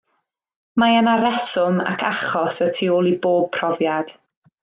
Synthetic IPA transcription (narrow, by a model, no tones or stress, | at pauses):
maənaɾɛsʊma̰kʰa̰χɔsətʰioːlˠiboːb̚pʰrɔvjad̥